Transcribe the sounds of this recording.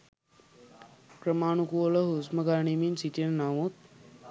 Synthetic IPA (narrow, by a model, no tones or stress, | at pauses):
kɾəmaːɳukuolɐɦusməɡaːɳiminsit̪ennaːʋot̪̚